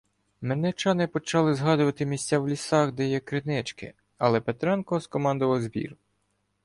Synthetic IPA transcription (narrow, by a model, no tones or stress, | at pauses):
menɛt͡ʃɑnɪpɔt͡ʃɑlˠɪzɦɑd̪ʊʋɐt̪ɪmʲisʲt͡sʲːawlʲisʲɑxd̪ɛjɛkɾɪnɛt͡ʃkɪ̰ | ɐlˠɛpet̪ɾɑnkɔɔskɔmɑnd̪ʊʋɐlzbʲḭr